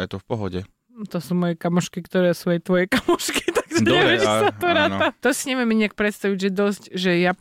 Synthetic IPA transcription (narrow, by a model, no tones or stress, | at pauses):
ajt̪ɔfpɔɦɔɟɛ̰ | t̪ɔsuːmɔjɛkamɔʃkikt̪ɔɾɛsuɛt̪ʋɔjɛkamɔʃki̥t̪aɡʒɛɲɔɛʋɾɛiasat̪ɔɾaːnat̪ɔsiɲɛʋiɛmɛɲiak̚pɾɛt̪st̪aʋiɟʒɛd̪ɔzcʒɛja